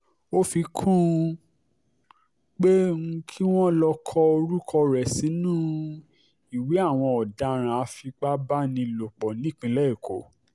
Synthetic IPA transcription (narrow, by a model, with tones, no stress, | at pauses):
o˦fi˧kʰũ˦ | k͡pe˦ŋ̩˦kʰi˦w̃ɔ̃˦lɔ˧kʰɔ˧o˧ɾu˦kʰɔ˧ɾɛ˨sĩ˨˦nũː˦ | i˨we˨˦a˦˨w̃ɔ̃˧ɔ˨da˧ɾ̃ã˧a˧fi˧k͡pa˦ba˦nĩ˧lo˨k͡pɔ˨nĩ˨˦˨k͡pĩ˧lɛ˦i˦˨kʰo˨